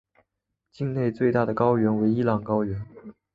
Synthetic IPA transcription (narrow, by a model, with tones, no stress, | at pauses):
t͡ɕi˥˧ŋne˥˧ɪt͡swe˥˧ɪt̪a˥˩d̪ə˩kɑ˥ʊɥɛ˧˥nwe˧˥ɪi˥lɑ˨˩ŋkɑ˥ʊɥɛ˧˥n